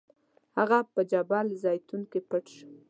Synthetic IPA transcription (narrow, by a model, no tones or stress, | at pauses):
haɣapəd͡ʒabɑlzɑjt̪uŋkepəʈʃ